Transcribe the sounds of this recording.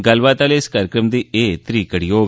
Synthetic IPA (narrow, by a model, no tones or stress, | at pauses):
ɡɐlʋaːt̪aːleːskaːɾjəkɾəmd̪iːeːt̪ɾiːkəɽijoː